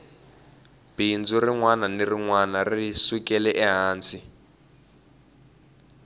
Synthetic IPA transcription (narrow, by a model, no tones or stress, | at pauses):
b̥ind͡zɔriŋwananiriŋwanariswikɛlɛʔɛɦaːnt͡si